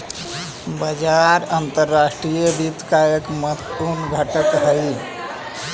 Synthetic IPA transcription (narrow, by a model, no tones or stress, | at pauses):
bəd͡ʒaɾənt̪əɾːasʈɾijəbit̪kajəkmət̪ːunɡʱəʈək̪ɦəli